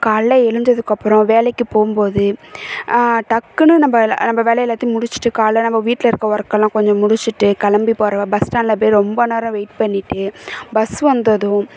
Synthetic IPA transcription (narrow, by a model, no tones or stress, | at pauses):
kaːɭːɐɛɻɯɲd͡ʒɐðɯkːɐpːɾɔ̃ʋeːlɛkːɯpoːɯmpoːðɯ | ʈɐkːɯnɯnɐmbɐnɐmbɐʋeːlɛjɛlːaːt̪ːimʊɽʊt͡ʃːɯ̥ʈːɯkaːɭːɐnɐmbɐʋiːʈːlɐɪɾɯkːɐɔɾɐkːɐlːãːkɔɲd͡ʒɔ̃mʊɽʊt͡ʃːɯʈːɯkɐlɐmbipoːɾɐbɐsʈaːnlɐpeːɾɾɔmbɐneːɾɐ̃ʋeɪʈpɐɳːɪʈːɯbɐsʋɐnd̪ɐðʊ̃